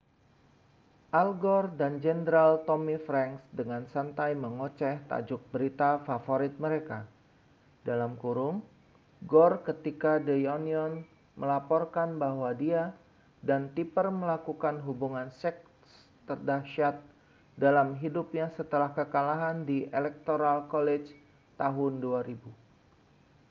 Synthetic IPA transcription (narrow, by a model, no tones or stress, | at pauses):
ʔalɡɔrdand͡ʒɛndɾalt̪omifɾɛŋksdəŋansant̪ajməŋot͡ʃɛht̪a̰d͡ʒʊk̚bəɾit̪afafoɾɪt̪̚məɾeka | dalamkuɾʊŋ | ɡɔrkət̪ikadəjɔniɔn | məlapɔrkanbahwadia | dant̪ipərməlakukanɦubuŋansɛk̚ | s | t̪ərdaʃat̪̚ | dalamɦidʊpjaŋsət̪əlahkəkalaɦandielɛk̚t̪oɾalkolɛt͡ʃ | t̪aɦʊnduaɾibu